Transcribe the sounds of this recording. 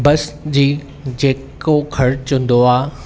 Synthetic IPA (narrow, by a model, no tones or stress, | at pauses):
bɐsd͡ʑiː | d͡ʑeːkkokʰɐɾt͡ɕʊ̃n̆d̪oaː